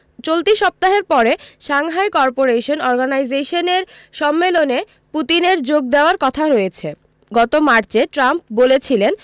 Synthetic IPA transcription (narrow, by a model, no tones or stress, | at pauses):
t͡ɕolt̪iʃɔp̚t̪aɦeɾpɔɾeʃaŋɦaekɔɾpoɾeʃonɔɾɡanajd͡ʑeʃoneɾ | ʃɔmːelone | put̪ineɾd͡ʑoɡ̚d̪eoaɾkɔt̪ʰaɾojet͡ɕʰe | ɡɔt̪omaɾt͡ɕeʈɾamp̚bolet͡ɕʰilen